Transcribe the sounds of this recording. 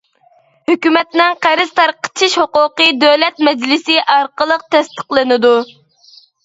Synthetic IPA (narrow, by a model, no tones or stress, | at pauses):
høkʲymɛt̪nɪŋqæɾɪz̥t̪ʰɑɾqʰə̥t͡ʃʰiʃhoqʊqɨd̪øwlɛt̪mɛd͡ʒlɪsɪʔɑɾqəlˠəq̚t̪ʰɛst̪əqlˠɨnɨd̪u